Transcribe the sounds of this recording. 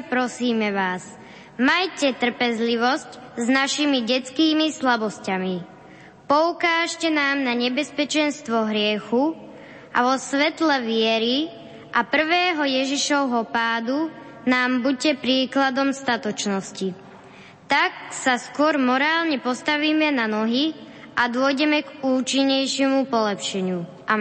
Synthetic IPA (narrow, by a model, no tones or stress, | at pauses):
pɾɔsiːmɛʋaːs | majcɛt̪r̩pɛzliʋɔscznaʃimiɟɛt͡skiːmislabɔscami | pɔukaːʃcɛnaːmnaɲɛbɛspɛt͡ʃɛnst̪ʋɔɦɾɪɛxu | ʔa̰ʋɔsʋɛt̪lɛʋɪɛɾi | ʔapr̩ʋɛːɦɔjɛʒiʃɔʊɦɔpaːd̪u | naːmbucɛpɾiːklad̪ɔmst̪at̪ɔt͡ʃnɔsci | t̪aksaskʊɔɾmɔɾaːlɲɛpɔst̪aʋiːmɛnanɔɦi | ʔad̪ʊɔjɟɛmɛɡuːt͡ʃiɲːɛjʃɪɛmupɔlɛpʃɛɲu | ʔa